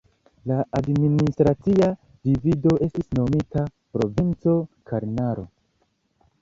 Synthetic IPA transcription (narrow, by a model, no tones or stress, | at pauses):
laadministɾat͡sia | divido̞ʔe̞stisno̞mitapɾo̞̰vint͡so̞kʰaɾnaɾo̞̰